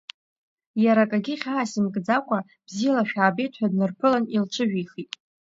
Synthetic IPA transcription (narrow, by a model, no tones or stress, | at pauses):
jaɾakʼaɡʲiχʲaːsimkʼd͡zakʷʼa | b̥zijlaʃᶣaːbe̞jtʰʼħʷᶣadnɨrpʰɨlanilt͡ʃʷʰɨʒᶣiχitʼ